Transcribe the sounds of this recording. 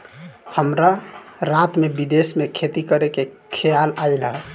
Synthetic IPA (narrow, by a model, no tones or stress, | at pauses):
həmɾaɾat̪mebid̪esmekʰet̪ikəɾekekʰejalajləɦ